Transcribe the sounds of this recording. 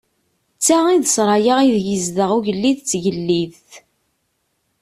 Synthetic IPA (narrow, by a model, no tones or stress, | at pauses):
t͡sːaʁiðsɾˤɑjəʁiðjəzðəʁuʝəlːiðt͡sːʝəlːið